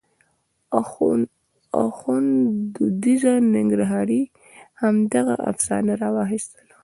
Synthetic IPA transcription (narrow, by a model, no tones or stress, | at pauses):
a̰xund̪əd̪izanɪŋɡɾaɦɑɾi | hamd̪aɣa̰ʔa̰fsɑ̰naɾɑwɑxist̪əl